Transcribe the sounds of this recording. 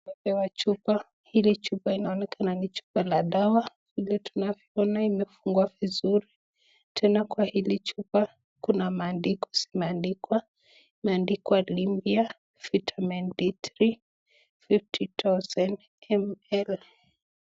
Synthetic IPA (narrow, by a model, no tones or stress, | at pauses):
mɛpɛwat͡ʃupa | hilit͡ʃupainaɔnɛkʰananit͡ʃu̥palaɗawa | v̥ilɛtu̥navjɔɔnaimɛfuŋɡuavizuɾi | tʰɛnakwahilit͡ʃupa | kunamaːndikɔ̥simɛandikwa | imɛandikwalimbia | fitʰamɛnditɾi | fiftitʰawzɛn | ɛmɛl